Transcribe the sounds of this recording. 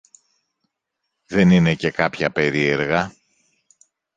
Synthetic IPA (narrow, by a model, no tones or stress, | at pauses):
ðe̞nine̞ce̞kɐpçɐpe̞ɾie̞ɾɣɐ